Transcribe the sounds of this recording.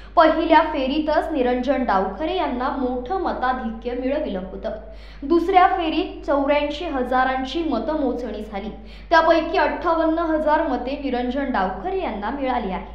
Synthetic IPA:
pəɦiljafeɾit̪ət͡sniɾəɲd͡ʑəɳɖawkʰəɾejanːamoʈʰəmət̪ad̪ʱikjəmiɭəʋiləɦot̪əː | d̪usɾjafeɾiːt̪̚t͡səwɾjãɳɕeɦəd͡zaɾãɲt͡ɕiːmət̪əmot͡sɳ̃iːd͡zʱaliː | t̪japəjkiːəʈʰːaʋənːəɦəd͡zaɾməd̪ʱeniɾəɲd͡ʑəɳɖaʋkʰəɾejanːamiɭaliaɦe

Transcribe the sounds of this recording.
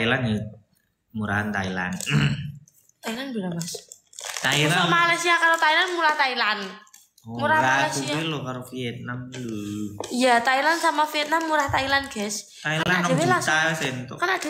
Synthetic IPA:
ilani | muɾahant̪aila̰n | t̪ailanbilamas | t̪aiɾaamalasiakaɾot̪ailanmuɾaht̪ailan | ɔmuɾamaalaksiailokaɾofiɛt̪̚namlujat̪ailansamafiɛt̪̚namːuɾaht̪ailanɡ̥ɛs | t̪aialaaddabelasaasant̪ɔ̰kanad̥a̤

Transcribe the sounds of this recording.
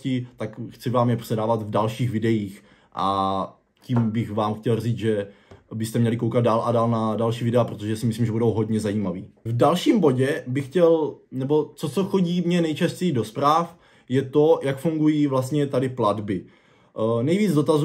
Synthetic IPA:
cɪt̪akxt͡sɪvaːmjɛpr̝̥ɛdaːvat̪vdalʃiːɣvɪdɛjiːx | ʔa | ciːmbɪxvaːmxcɛlriːt͡sʒɛ | bɪst̪ɛmɲɛlɪkowkat̪̚daːlʔadaːlnadalʃiːvɪdɛapɾo̞t̪oʒɛsɪmɪsliːmʒɛbudowɦo̞dɲɛzajiːmavḭːvdalʃiːmbo̞ɟɛbɪxcɛlnɛbo̞t͡so̞t͡soxo̞ɟiːmɲɛnɛjt͡ʃascɛjido̞spɾaːf | jɛt̪o̞jakfuŋɡujiːvlast̪ɲɛt̪adɪpladbɪ | nɛjviːd͡zdo̞t̪az

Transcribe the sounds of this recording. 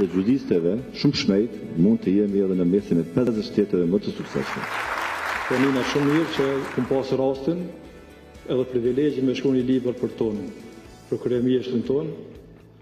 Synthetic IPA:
ðɛd͡ʒuðist̪ɛvɛʃuməʃmɛjt̪mund̪̚t̪əjɛmiɛðɛnəmɛsinɛpɛzəʃt̪ɛt̪ɛvɛmət̪əsuksɛ̰smɛ̰ | kɔninaʃumːiɾt͡ʃəkumpasɾast̪in | ɛðɛpɾivilɛd͡ʑəmɛʃkunilibəɾpəɾt̪ɔn | pɾɔkɾɛɛmiɛʃt̪ənt̪ɔn

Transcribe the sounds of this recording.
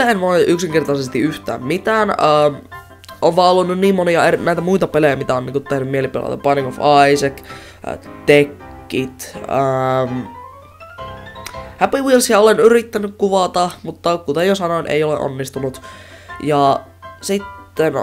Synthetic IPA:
enmoiʔyksiŋkert̪ɑsest̪iyht̪æ̰ːmmit̪æːnəːm | oʋʋɑːolːunnynniːmmoniɑernæit̪æmuit̪ɑpelejæmit̪æoniːŋkut̪t̪ehnymmielipilɑ̰t̪ɑb̥ɑnikofɑisæk | t̪ekː | it̪əm | hæpiwilsjɑolenyɾit̪ːænykkuʋɑt̪ɑhmut̪ːɑkut̪ejosɑnoinʔḛiolḛʔo̰nːist̪unut̪ | jɑ | sit̪ːen

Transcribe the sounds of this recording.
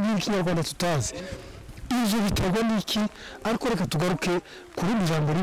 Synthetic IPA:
ninikiɲaɾɡwaːndatu̥taːze̥ | iʒoβitaɡwanikiaɾikoɾekatuɡaɾuke | kuɾimiʒaːmboɾi

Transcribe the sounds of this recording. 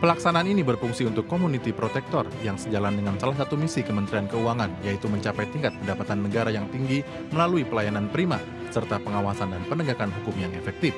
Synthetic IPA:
pəlaksanaːninibərfuŋsiunt̪ʊkːomunit̪ipɾot̪ɛk̚t̪ɔrjaŋsəd͡ʒalandəŋansalasat̪umisikəmənt̪ɾiankəuaŋanjait̪uməɲt͡ʃapajt̪iŋkat̪̚pədapat̪anːəɡaɾajaŋt̪iŋɡi | məlaluipəlajananpəɾima | sərt̪apəŋawasandanpənəɡakanɦukʊmjaŋefɛk̚t̪if

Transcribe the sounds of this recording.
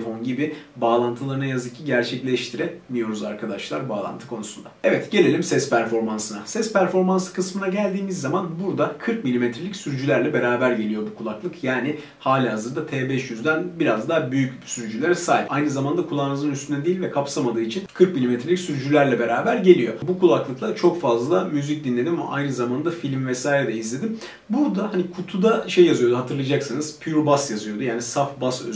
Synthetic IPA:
fo̞nɟibɪbaːlˠant̪ʰɯlˠaɾɯnajazɯcʰiɟæɾt͡ʃʰɛclʲɛʃt̪ʰiɾɛmijo̞ɾuzaɾkʰad̪aʃlˠa̰ɾbaːlˠa̰nt̪ʰɯ̥kʰo̞nusund̪aɛvɛt̪ɟe̞lʲe̞lʲimsɛspʰæɾfo̞ɾmansɯnasɛspæɾfo̞ɾmansɯ̥kʰɯsmɯnaɟælʲd̪iːmizːamanbuɾd̪akʰɯɾk̚milʲimet̪ɾeicsyɾyd͡ʒylʲæɾlʲɛbe̞ɾaːbæɾɟe̞lʲijo̞bukʰulˠaklˠɯkʰjaːnɪ | haːlʲiɦazɯɾd̪at̪ʰeːbɛʃjyzd̪ænbiɾazd̪aːbyjyc | syɾyd͡ʒylʲæɾɛsaːjip̚ajnɯzamand̪akʰulˠaːnɯzɯnyst̪ʰynɛd̪ejilʲvɛkʰapsamad̪ɯːit͡ʃʰinkʰɯɾk̚milʲimet̪ʰɾelʲicʲsyɾyd͡ʒylʲæɾlʲɛbe̞ɾaːbæɾɟe̞lʲijo̞bukʰulˠaklˠɯklˠat͡ʃʰo̞kfazlˠlˠamyzic̚d̪inlʲe̞d̪imama̰ʔa̰jnɯzamand̪afilʲmvɛsaːjɾɛd̪ɛizlʲe̞d̪im | buɾd̪ahanikʰut̪ʰud̪aʃe̞jːazɯjo̞d̪uɦat̪ʰɯɾlˠad͡ʒaksanɯz̥pʰyyɾbasjazɯjo̞d̪ujaːnisafbasø̰

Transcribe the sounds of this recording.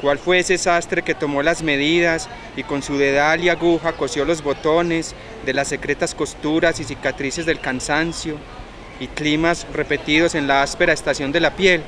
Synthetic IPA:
kwalfweesesast̪ɾe̞ke̞t̪o̞mo̞lazme̞ð̞iðas | iko̞nsuðe̞ðaljaɣuxako̞sjo̞lo̞zbo̞t̪o̞ne̞s | d̪e̞lasːe̞kɾet̪asko̞st̪uɾasis̬ikat̪ɾise̞zd̪e̞lkansansjo̞ | iklimasre̞pe̞t̪iðo̞se̞nlaaspe̞ɾaest̪asjo̞nd̪e̞lapje̞l

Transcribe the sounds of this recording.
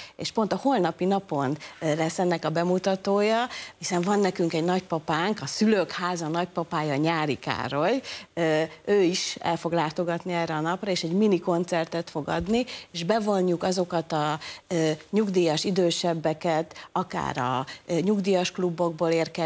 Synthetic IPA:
ḛːʃpo̞nt̪ɒho̞lnɒpinɒpo̞nlɛsːɛnːɛkɒbɛmut̪ɒt̪oːjɒhisɛɱvɒnːɛkyŋkɛɟnɒcpɒpaːŋkɒsyløkhaːzɒnɒc̚pɒpaːjɒːɲaːɾika̰ːɾo̞jøøːiʃɛ̰lfo̞ɡlaːt̪o̞ɡɒt̪niɛːrːɛɒnɒprɒeːʃɛɟminiko̞nt̪sɛrt̪ɛt̪fo̞ɡɒ̰d̪nieːʒbɛvo̞ɲːukɒzo̞kɒt̪ɒ | ɲuɡd̪iːjɒʃid̪øːʃɛbːɛkɛt̪ɒka̰ːɾɒ̰ɲuɡd̪iːjɒʃklubːo̞ɡ̚boːleːrkɛ

